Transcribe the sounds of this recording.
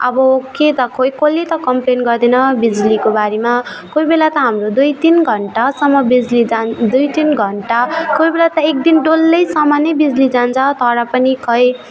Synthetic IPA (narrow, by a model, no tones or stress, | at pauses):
ʌbʌoket̪ʌkʰojkolet̪ʌkʌmplenɡʌrd̪enʌbid͡zlikobaɾema | kojbelat̪ʌɦamrod̪ujt̪inɡʱʌɳʈasʌmːʌbid͡zlid͡zad̪ujt̪inɡʱʌɳʈakojbelat̪ʌek̚d̪inɖolːʌjsʌmanʌjbid͡zlid͡zant͡sʰʌt̪ʌɾʌpʌnikʰʌj